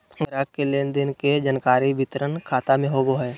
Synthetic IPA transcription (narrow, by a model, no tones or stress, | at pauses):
ɡɾaːkkeleːnd̪ɪnked͡ʒənkaːɾibɪt̪ɾənkʰaːt̪amẽɦoːɡoɦɛː